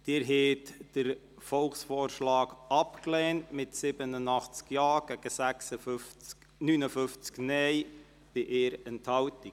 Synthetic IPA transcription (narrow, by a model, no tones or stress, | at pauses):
d̥ɪːɾɦetd̥əɾ | fɔlχsfoːrʃlɑːɡɑpklɛːntmɪtsɪbənənɑχt͡skjɑːɡ̥ɛɡ̥əsæksə | nyːnəfʏft͡sknɛj | b̥ɪʔɪːɾɛnthɑwti